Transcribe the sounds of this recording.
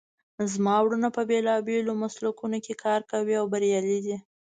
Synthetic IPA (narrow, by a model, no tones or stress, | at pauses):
zmɑwɽənapəbelɑbelomaslukunokekʰɑɾkawiawbaɾjɑlid̪i